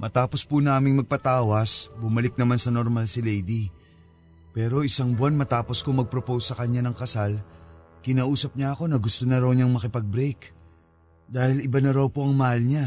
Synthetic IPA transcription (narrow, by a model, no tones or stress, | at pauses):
mʔɐt̪aːpo̞spunaːmɪŋmɐɡ̚pɐt̪aːwɐsbʊmɐlɪk̚nɐmansɐnoɾmalsɪlɛjd̪i | pɛːɾo̞ʔɪsaŋbʊanmɐt̪aːpo̞skʊŋmɐɡ̚pɾopowsːɐkɐɲanɐŋkɐsal | kɪnaːʔuːsɐp̚ɲaʔɐko̞nɐɡʊst̪onɐɾawɲaŋmɐkɪpɐɡ̚bɾɛjk | d̪aːhɪlɪbanɐɾawpoʔɐŋmɐhalɲa